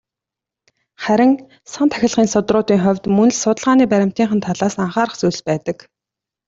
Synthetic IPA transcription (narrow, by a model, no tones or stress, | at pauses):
χæɾʲɪ̆ŋ | sant̪ʰæxʲɪ̆ɮʁiːnsʊt̪rʊːt̪iːŋχʊwʲt̪mɵnɘ̆ɮsʊt̪ə̆ɮʁaːniːpæɾʲɪ̆m̥t̪iːŋχə̆nt̪ʰaɮaːsaɴχaːɾə̆χt͡sujɮpæːt̪ə̆k